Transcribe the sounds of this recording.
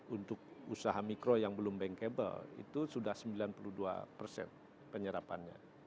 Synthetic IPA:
unt̪ʊk̚usaɦamikɾojaŋbəlʊmbɛŋkebə̰lḭt̪usudahsəmbilanpuluhdua̰pərsɛ̰n | pəɲəɾapa̰nɲa̰

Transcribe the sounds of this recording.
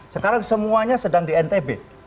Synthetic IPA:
səkaɾaŋsəmuaɲasədaŋdiɛnt̪ebe

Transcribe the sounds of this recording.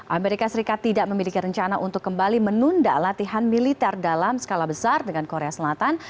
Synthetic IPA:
ʔameɾikasəɾikat̪ːidaʔməmilikiɾəɲt͡ʃanaʔunt̪ʊkːəmbalimənunda̰lat̪iɦanmilit̪ɛrdalamsə̥kalahbəsardəŋankoɾeasəlat̪an

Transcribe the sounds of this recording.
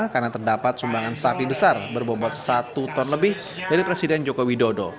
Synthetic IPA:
karnat̪ərdapat̪̚sumbaŋansafibəsarbərbobɔt̪̚sat̪ut̪ɔnləbɪh | daɾipɾesidɛnd͡ʒokowidodo

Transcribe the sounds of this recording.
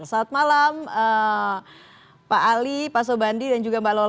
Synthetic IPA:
saːt̪̚malamə | paʔːlipas̬obandidand͡ʒuɡambalo

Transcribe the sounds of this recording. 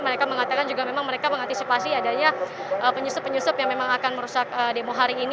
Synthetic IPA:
məɾekaməŋat̪akand͡ʒuɡamemaŋməɾekaməŋant̪isipasiadaɲa | ʔəpəɲusʊpːəɲusʊpjaŋmemaŋakanməɾusakədemoɦaɾiːn

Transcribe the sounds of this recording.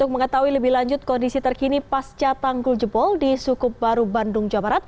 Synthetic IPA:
t̪ʊk̚məŋət̪aɦuiləbɪhlaɲd͡ʒʊt̪̚kɔndisit̪ərkinipast͡ʃat̪aŋɡʊld͡ʒəbɔldisukʊp̚baɾubandʊŋd͡ʒabaɾat̪̚

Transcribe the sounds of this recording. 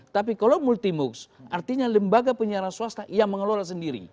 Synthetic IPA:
t̪ap̬ikalawmult̪imʊksʔart̪iɲaləmbaɡapəɲiaɾansuast̪aʔijaŋməŋəlolas̬əndiɾḭ

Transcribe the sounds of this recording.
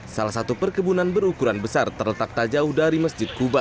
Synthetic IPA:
salahsat̪upərkəbunanbəɾukuɾanbəsart̪ərlət̪ak̚t̪ad͡ʒaʊhdaɾiməsd͡ʒɪt̪̚kuba

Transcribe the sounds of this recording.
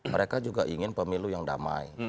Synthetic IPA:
məɾekad͡ʒuɡaʔiŋɪnpəmilujaŋda̰ma̰i

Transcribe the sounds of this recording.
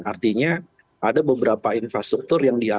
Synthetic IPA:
art̪iɲa | ʔadabəbəɾapainfɾast̪ɾuk̚t̪ʊrjaŋdia

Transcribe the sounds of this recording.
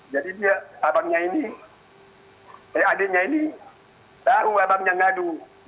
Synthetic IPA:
d͡ʒadidiaabaŋɲaini | ɛadeɲaini | taɦuabamɲaŋadu

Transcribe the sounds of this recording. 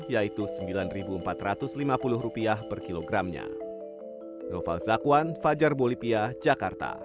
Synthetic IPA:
jait̪usəmbilanribuəmpat̪ɾat̪ʊslimapulʊɦɾupiahpərkiloɡɾamɲa̰ | nɔfa̰lsakuanfad͡ʒarbolipiad͡ʒakart̪a̰

